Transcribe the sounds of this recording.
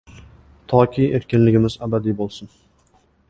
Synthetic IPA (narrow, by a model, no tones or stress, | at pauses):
t̪ʰɒkʲʰijʔeɾkʲɪnlɪɡʲɪmɪzabad̪ibolˠsɪn